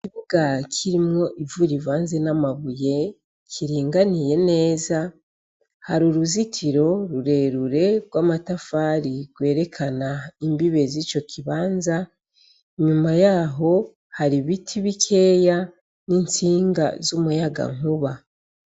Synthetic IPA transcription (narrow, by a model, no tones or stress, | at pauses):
kiβuɡacʰiɾimŋo̞ʔivuɾivaːnze̞namaβuje̞ | cʰiɾiːŋɡanije̞ne̞ːza | haɾuɾuzitʰiɾo̞ɾuɾe̞ɾuɾe̞ɡwaːmatafaːɾiɡwe̞ːɾe̞kʰanaimbiβe̞zit͡ʃo̞kʰiβaːnza | iɲumajaːɦo̞ | haɾiβitʰiβikʰe̞ːja | nint͡siːŋɡa̰zumujaɡa̰ŋ̥uβa